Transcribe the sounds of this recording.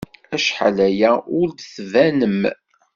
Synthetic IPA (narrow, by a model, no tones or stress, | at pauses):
æʃħa̰læjæʊɾd̪θvænəm